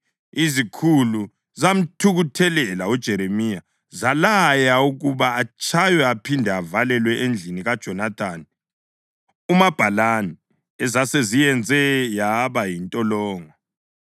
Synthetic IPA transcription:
izikʰulu | zam̩tʰuɣutʰɛlɛlaud̥ʒ̥ʱɛɾemija | zalajauɣuβaːt͡ʃʼʰajɛapʰindʱɛavalɛlwɛʔend͡ɮʱiniɣad̥ʒ̥ʱɔnat̪ʰaːni | umab̥ʱalanɛ | ɛzasezijɛnd͡zʱɛjaβajintʼɔlɔːŋɔ

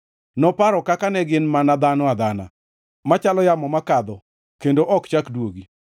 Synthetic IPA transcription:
nɔpaɾɔkakanɛɡɪnmanad̪anɔad̪ana̰ | mat͡ʃalɔjamɔmakad̪ɔ | kendoʔɔkt͡ʃakdwoɡi

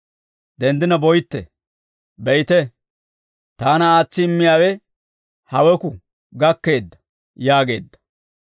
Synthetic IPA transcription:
d̪ɛnd̪ɪnɐbɔjt̪ːɛ̰ | bɛjt̪ɛ | t̪aːnɐaːt͡sːɪɪmːɪjaːwɛ | hɐwɛkʊ | ɡɐkːe̞ːd̪ːɐ̥ | jaːɡe̞ːd̪ːɐ̥

